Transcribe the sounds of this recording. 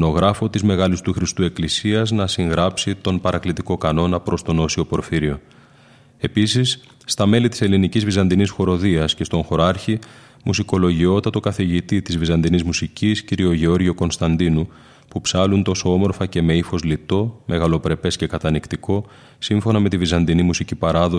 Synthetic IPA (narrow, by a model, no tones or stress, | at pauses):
no̞ɣɾɐfo̞t̪izme̞ɣɐlist̪uxɾist̪ue̞klisiɐznɐsiŋɣɾɐpsit̪o̞npɐɾɐklit̪iko̞kɐno̞nɐpɾo̞st̪o̞no̞sio̞po̞ɾfiɾio̞ | e̞pisisː | t̪ɐme̞lit̪i̥se̞linicizvizɐnd̪inisxo̞ɾo̞ðiɐsce̞st̪o̞ŋxo̞ɾɐɾçi | musiko̞lo̞ʝio̞t̪ɐt̪o̞kɐθiʝit̪it̪izvizɐnd̪inizmusicisciɾio̞ʝeo̞ɾʝio̞ko̞nst̪ɐnd̪inu | pupsɐlunt̪o̞so̞o̞mo̞ɾfɐce̞me̞ifo̞zlit̪o̞me̞ɣɐlo̞pɾe̞pe̞sce̞kɐt̪ɐnikt̪iko̞ | siɱfo̞nɐme̞t̪ivizɐnd̪inimusicipɐɾɐðo